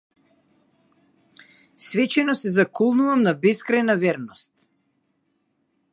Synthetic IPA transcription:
svɛt͡ʃɛnɔsɛzakɔlˠnuvamnabɛskɾajnavɛɾnɔst̪̚

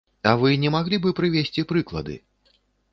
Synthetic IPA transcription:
ɐvɨnʲɛmaɣlʲibɨpɾɨvʲesʲt͡sʲipɾɨklˠɐ̰d̪ɨ̰

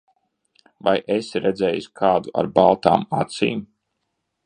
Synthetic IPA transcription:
vajʔesɾɛd̪zʲɛjusʲkʰaːd̪uʔa̰ɾbalˠt̪a̰ːmat̪sḭːm

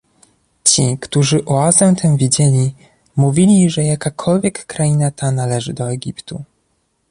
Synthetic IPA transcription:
t͡ɕikt̪uʐɘʔɔazɛmt̪ʰɛm̃vʲid͡ʑelʲi | muvʲilʲiʐɛjakakʰɔlvʲjɛkːɾainat̪ʰanalɛʐɘd̪ɔɛɡʲipt̪u

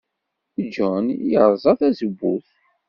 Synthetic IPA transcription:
d͡ʒɔnjəʁzˤɑθæzəbːuθ

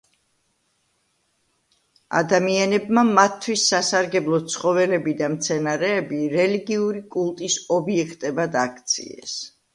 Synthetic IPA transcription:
a̰d̪amianɛbmamat̪ʰːwisːasaɾɡɛblˠɔsʰχɔvɛlɛbid̪amt̪sʰɛnaɾɛːbiɾɛliɡiuɾikʼulˠt̪ʼisɔbiɛkʰt̪ʼɛbad̪akʰt̪sʰḭɛ̰s

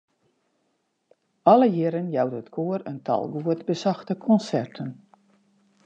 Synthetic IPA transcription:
ɔləjɪɾənjawdətkʰoərəntʰɑ̰lˠɡuətbəsɑxtəkʰɔnsɛrtʰən

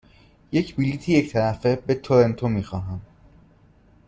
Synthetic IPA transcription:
jecʰbiliːt̪ʰiject̪ʰæɾæfe̞be̞t̪ʰoɾent̪ʰomiːxɒːɦæm

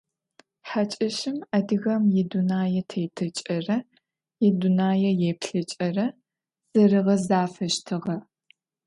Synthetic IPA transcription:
ħat͡ʃʼɐʃɪmɐdɨɣɐmjɪdunaːjɛtʰejtʰɨt͡ʃʼɐrɐ | jɪdunaːjɛjeːpɬɐt͡ʃʼɐrɐ | z̥ɐrɨʁɐzaːfɐʃtʰɨʁɐ

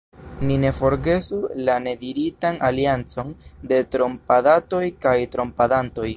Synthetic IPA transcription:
nine̞fo̞ɾɡe̞sulane̞diɾitanaliant͡so̞nde̞tɾo̞mpadato̞jkajtɾo̞mpadanto̞j

